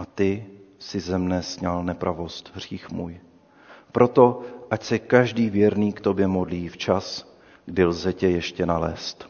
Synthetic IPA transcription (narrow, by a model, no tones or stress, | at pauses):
ʔat̪ɪsɪzɛmnɛsɲalnɛpɾʔavo̞st̪ɦr̝̥iːxmuːj | pɾo̞t̪o̞ʔacsɛkaʒdiːvjɛɾniːkt̪o̞bjɛmodliːft͡ʃas | ɡdɪlzɛcɛjɛʃcɛnalɛ̰ːst̪